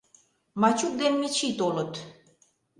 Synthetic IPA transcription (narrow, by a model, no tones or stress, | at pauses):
mat͡ʃʰuk̚d̪enmit͡ʃʰit̪olut̪